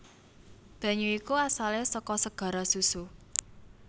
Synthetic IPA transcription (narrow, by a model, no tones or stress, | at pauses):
b̥a̤ɲuikuasalesɔkɔsəɡ̥ä̤ɾɔsusu